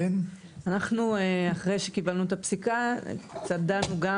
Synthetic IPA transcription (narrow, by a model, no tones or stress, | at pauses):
n | anaχnueaχʁe̞jʃekibalnuet̪apsika̰t͡sad̪anuɡa